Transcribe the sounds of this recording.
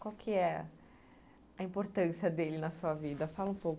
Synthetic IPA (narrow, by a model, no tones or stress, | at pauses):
kwawkʰɪɛ | ɐĩpoɾt̪ɐ̃siɐd̪elɪnɐsuɐvid̪ɐfalɐũpowk